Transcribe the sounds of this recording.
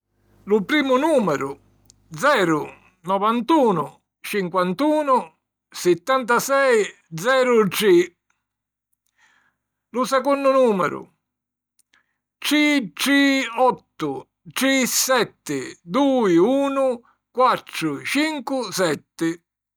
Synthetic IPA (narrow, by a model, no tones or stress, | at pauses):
lʊpɾiːmʊnuːmɛɾʊ | d̪zɛːɾʊ | nɔvant̪uːnʊ̰ | t͡ʃiŋkwant̪uːnʊ | sɪt̪ːant̪̬asɛj | d̪zɛːɾʊʈi | lʊsɛkɔnːʊnuːmɛ̰ɾʊ̰ | t͡ʃit͡ʃiɔt̪ːʊ | t͡ʃisɛt̪ːɪd̪uːɪuːnʊ | kwat̪ːɾʊt͡ʃiŋkʊsɛt̪ːɪ